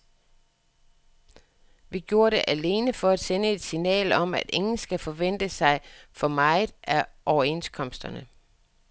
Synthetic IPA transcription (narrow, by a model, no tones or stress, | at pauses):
ʋiɡ̥jo̝ːɐɾe̝ʔæle̝ːnəfɒ̽æd̥senəe̝d̥sinɛ̰ːlɒ̽mæd̥e̝ŋn̩sɡ̥æfɒ̽ʋen̰d̥əsɑ̈ɪfɒ̽mɑ̈ɪð̩ˠʔæʔɒʊɐe̝nskʰɒ̽m̰sd̥ɐnə